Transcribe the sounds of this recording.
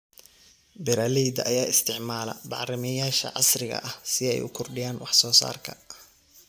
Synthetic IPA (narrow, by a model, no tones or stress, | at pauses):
bɛɾaːlɛjd̪ɐʔɐjaːɪst̪ʰɪʕmaːlɐ̰bɑ̰ʕɾɪmɛjaːʃɐ̰ʕɑ̰srɪɣɐ̰ʔɐhsɪɛ̰jʊ̰kʰʊrɖɪjaːnwɑħsɔːsa̰ːrkʰɐ̰